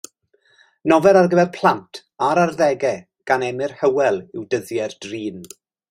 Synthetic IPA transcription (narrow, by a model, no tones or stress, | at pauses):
nɔvɛɾarɡəvɛrpʰl̥ˠantʰ | aɾarðɛɡɛ | ɡ̥anɛmɪrhəwɛlˠɪwdəðjɛrd̥riːn